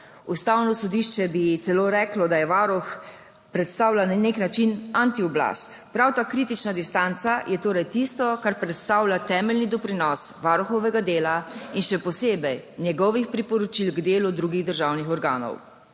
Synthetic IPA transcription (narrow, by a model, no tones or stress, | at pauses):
ust̪awnɔsɔd̪iʃt͡ʃɛbit̪sɛloːɾɛːklɔd̪ajɛʋaɾɔx | pɾɛt̪st̪aːwlanneknat͡ʃinant̪iɔbla̰st̪pɾawt̪aːkɾiːt̪it͡ʃnad̪ist̪ant̪sajʔɛt̪oːɾɛjt̪ist̪ɔkaɾpɾɛt̪st̪aːwlat̪ɛːmɛlnid̪ɔpɾinɔsʋaːɾɔxɔʋɛɡad̪eːlainʃɛpɔseːbɛjnjɛɡɔʋixpɾipɔɾɔt͡ʃilɡd̪eːlud̪ɾuːɡiɣd̪əɾʒaːwnixɔɾɡa̰ːnɔ̰w